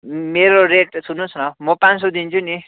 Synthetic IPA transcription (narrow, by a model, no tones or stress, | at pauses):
meɾoreʈsʰunusʰnʌmʌpãns̬od̪int͡sʰuni